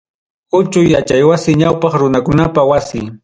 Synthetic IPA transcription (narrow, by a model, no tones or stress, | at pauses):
kʊt͡ʃʊjat͡ʃajwasɪɲawpɑχɾʊnakʊnapawasɪ